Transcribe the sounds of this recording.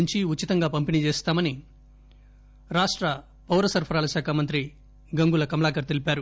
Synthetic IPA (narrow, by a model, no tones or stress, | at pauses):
ɲt͡ʃiutːit̪ɐŋɡaːpɐmpinit͡ʃeːst̪aːmɐni | ɾaːʂʈɾɐ | pɐwɾɐsɐɾpʰɐɾaːlɐʃaːkʰaːmɐnt̪ɾi | ɡɐŋɡulɐkɐmɐlaːkɐɾt̪elipaːɾu